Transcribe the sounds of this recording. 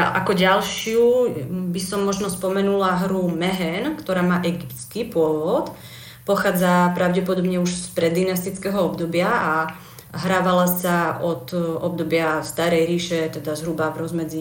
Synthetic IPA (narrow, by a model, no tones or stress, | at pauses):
ʔakɔɟalʃɪubisɔmːɔʒnɔspɔmɛnulaɦɾumɛɦɛnkt̪ɔɾaːmaːʔɛɡipt̪t͡skipʊɔʋɔt̪ | pɔxaːd͡zapɾaʊɟɛpɔd̪ɔbɲɛuʃspɾɛd̪ːinast̪it͡skɛɦɔɔbd̪ɔbɪaa | ɦɾaːʋalasaɔt̪ɔb̚d̪ɔbɪafst̪aɾɛjɾiːʃɛt̪ɛd̪azɦɾubavɾɔzmɛd͡zi